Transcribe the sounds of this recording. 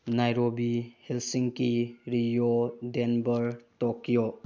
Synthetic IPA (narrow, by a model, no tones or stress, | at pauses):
najɾobihelsiŋkiɾijodenbɐɾtokijo